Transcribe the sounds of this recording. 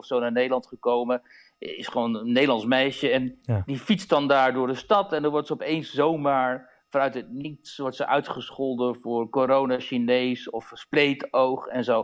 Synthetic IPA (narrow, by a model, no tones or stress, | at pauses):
ɔfsownaːɹnejdəlɑntχəkowmə | ɪsχəʋownənːejdəlɑnsmɛjʃəɛndifitsdɑndaːɹdʊːɹdəstɑtɛndɑnʋɔɹtsəɔpejnszowmaːɹ | vɑnœɥtɦət̚nitsʋɔɹtsəʔœɥtχəsχɔlˠdəvʊːɹkoɾownaʃinejsɔfsplejtowχɛnzow